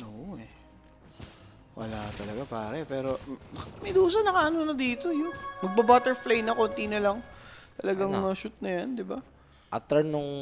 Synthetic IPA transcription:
ʔoːʔʔɛ | wɐ̰lat̪ɐlɐɡapaːɾɛpɛːɾo̞mɐjd̪uːsɐnɐkaʔɐnonɐd̪iːt̪ojʊnmɐɡ̚babaːt̪ɛɹflejnɐkont̪inɐlɐŋt̪ɐlɐɡaŋɐʃut̪̚nɐjand̪ɪba | ʔɐt̪ɐnʊŋ

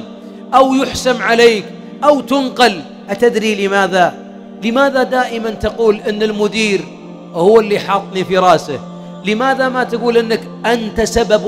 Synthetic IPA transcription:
ʔawjʊħsamʕaleːk | ʔawt̪ʊnqɑl | ʔat̪ɪd̪ɾilɪmaːða | lɪmaːðad̪aːʔɪmant̪aquːlʔɪnːɪlmʊd̪iːɾ | hʊwːɪlːiħɑːt̪ˤnifiɾˤɑːsa | lɪmaːðamat̪aɡuːlʔɪnːak | ʔant̪asabab

